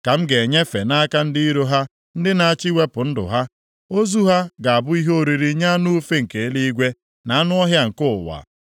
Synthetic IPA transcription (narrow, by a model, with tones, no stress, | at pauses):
ka˨m̩˦ɡe˨ɲe˦fe˨na˦ka˦n̩˦di˦i˦ɾo˦ɦa˦ | n̩˦dɪ˦na˨a˦˨t͡ʃɪ˦we˦pʊ˨n̩˦dʊ̰˨ɦa˦ | o˦zu˦ɦa˦ɡa˨a˨bʊ˦i˦ɦo˦ɾi˨ɾi˦ɲa˦nʊ˦fe˦ŋ̩˨ke˨˦li˦i˦ɡʷe˦ | na˨a˦nʊ˦ɔ˦ɦja˦ŋ̩˨kʊ˦ʊ˨wa̰˨